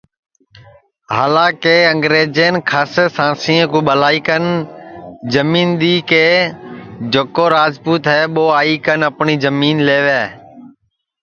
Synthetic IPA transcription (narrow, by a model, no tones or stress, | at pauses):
ɦa̰ːlãːkeːəŋɡɾeːd͡ʒeːnkʰaːseːsãːsĩːə̃kũːɓəlaːiːkən | d͡ʒəmiːnɗ̪iːkeː | d͡ʒokoːɾaːzpuːt̪ɦɛːɓoːaːiːkənəpɳiːzəmiːnleːʋɛː